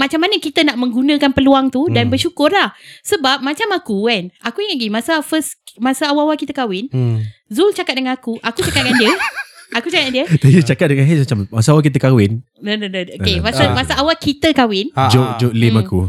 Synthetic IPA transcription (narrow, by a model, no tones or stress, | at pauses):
mat͡ʃamːanəkit̪ənaʔmə̃ŋɡunə̃kanpəluaŋt̪udanbərʃukʊrlahsəbap̚mat͡ʃamakukanakuiŋat̚ɡimasafəsmasaawaawakit̪əkawɪnzult͡ʃakat̪̚dəŋanakuʔakut͡ʃakat̪̚kandiəakut͡ʃakandiət̪aiət͡ʃakat̪̚dəŋaɦɛmat͡ʃammasaawakit̪̬əkawɪn | dədədəokemasamasaʔawakit̪əkawɪnd͡ʒoʔd͡ʒoʔlɪmaku